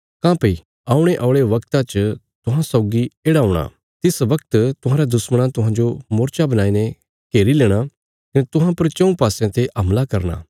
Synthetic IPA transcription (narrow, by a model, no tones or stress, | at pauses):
kãːpɐi | aːʊɽ̃eʔaʊɭeʋɐkt̪ãt͡ʃ | t̪ʊɦãsɐʊɡieːɽaoɽ̃a̰ | t̪ɪsʋɐk̚t̪t̪ʊɦãːɾad̪ʊsməɽ̃ãt̪ʊɦãd͡ʒomoːɾt͡ʃabɐnaːinẽ | keːɾileːɽ̃a | kɐnet̪ʊɦãpɐɾt͡ʃɐ̃ũpaːsjãt̪eʔɐmlakɐɾna̰ː